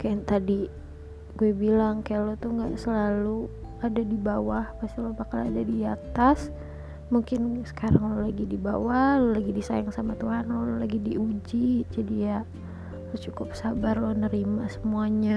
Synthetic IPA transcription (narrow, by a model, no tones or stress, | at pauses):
kaant̪adi | ɡuɛbilaŋkajalot̪uhŋɡaʔsəlalu | adadibawahpast̪ilopakala̰dadiat̪as | muŋkɪnsə̥kaɾaŋlolaɡidiba̰wahlolaɡidisa̰jaŋsamat̪uɦanololaɡidiud͡ʒid͡ʒadija | lot͡ʃukʊp̚sabarlonəɾimasəmuaɲa